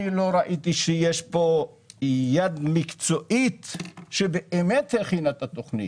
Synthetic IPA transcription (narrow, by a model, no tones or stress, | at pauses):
ilo̞ɾaʔit̪iʃejeʃpo̞ | jad̪mikt͡so̞ʔit̪ʃebeʔemet̪heχinat̪at̪oχnḭ